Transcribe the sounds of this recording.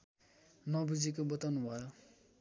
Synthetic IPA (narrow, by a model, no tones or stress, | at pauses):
nʌbud͡zikobʌt̪ʌnwa